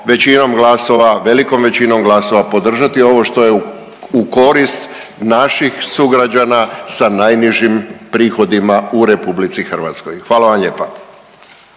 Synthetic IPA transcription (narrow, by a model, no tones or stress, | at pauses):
ʋe̞t͡ɕinomɡlaso̞ʋaʋe̞liko̞mʋe̞t͡ɕino̞mɡlaso̞ʋapo̞d̪r̩ʒat̪io̞ʋo̞ʃt̪o̞je̞ | uko̞ɾist̪ | naʃixsuɡɾad͡ʑanasanajniʒimpɾiːxo̞d̪imauɾe̞publit̪sixr̩ʋat̪skojxʋaːlˠaʋamʎeːpa